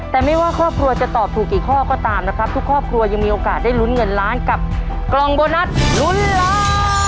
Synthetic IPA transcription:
t̪ɛː˨˩ma˥˩jwaː˥˩kʰɾɔː˥˩p̚kʰɾu˧ɐt͡ɕa˨˩t̪ɔː˨˩p̚t̪ʰuː˨˩kːiː˨˩kʰɔː˥˩kɔː˥˩t̪aː˧mna˦˥kʰɾa˦˥p̚t̪u˦˥kʰːɔː˥˩p̚kʰɾu˧ɐja˧ŋmiː˧ʔoː˧kaː˨˩t̪̚daː˥˩jlu˦˥nŋɤ˧nɾaː˦˥nka˨˩p̚ | klɔ˧ŋboː˧na˦˥t̪̚lu˦˥nlaː˦˥

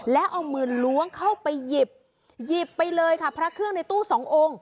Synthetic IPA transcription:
lɛ˦˥ʔa˧wmɯː˧˩nlu˦˥əŋkʰa˥˩wpa˧jːi˨˩p̚ | ji˨˩pːa˧jlɤː˧jkʰa˥˩pʰɾa˦˥kʰɯ˥˩əŋna˧jt̪uː˥˩sɔː˩˦ŋʔoː˧ŋ

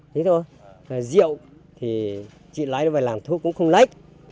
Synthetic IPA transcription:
tʰi˨˦t̪ʰo˧j | zḭ˧˨ə˨w | t̪ʰi˨˩ | t͡ɕḭ˧˨la̰ː˧˥jə˨˦vaː˨˩laː˨˩mt̪ʰu˧˦˥kʊ̰˧˥ŋ͡mxə˧wŋ͡mla̰˧˥jk̚

